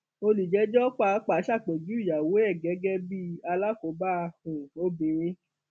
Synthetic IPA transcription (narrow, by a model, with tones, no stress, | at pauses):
o˧li˨d͡ʒɛ˨˦d͡ʒɔ˦k͡pa˧˦k͡pa˨˦ʃa˦˨k͡pe˨d͡ʒu˨˦i˦˨ja˨wo˨˦ɛ˦˨ɡɛ˨˦ɡɛ˦bi˦a˧la˦˨ko˨˦ba˦˧hũ˨o˦bĩ˨ɾ̃ĩ˧˦